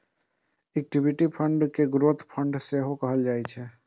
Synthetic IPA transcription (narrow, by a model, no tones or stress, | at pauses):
ek̚ʈibʱiʈipʰəɳɖkeɡɾot̪ʰpʰəɳɖseɦokəɦəld͡ʒaːɛt͡ʃʰɛ